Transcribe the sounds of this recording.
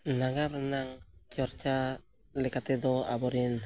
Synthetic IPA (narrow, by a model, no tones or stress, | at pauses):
naŋamranaŋt͡ʃɔɾt͡ʃa | lekat̪edoa̰bɔɾin